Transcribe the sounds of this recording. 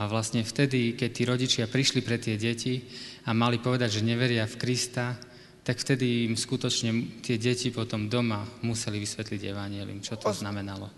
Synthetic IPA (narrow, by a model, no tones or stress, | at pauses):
aʋlast̪ɲɛft̪ɛd̪ikɛc̚t̪iːɾɔɟit͡ʃɪapɾiʃlipɾɛt̪ɪɛɟɛciamalipɔʋɛd̪aɟʒɛɲɛʋɛɾɪafkɾist̪a | t̪akft̪ɛd̪iːmskut̪ɔt͡ʃɲɛt̪ɪɛɟɛcipɔt̪ɔmd̪ɔmamusɛliʋisʋɛt̪liɟɛ̰ʋaɲɪɛlḭumt͡ʃɔt̪ɔznamɛnalɔ